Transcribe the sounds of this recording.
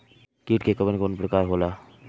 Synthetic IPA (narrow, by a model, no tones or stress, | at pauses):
kiːʈkekəbənkoːnpɾəkaːɾɦoːlaː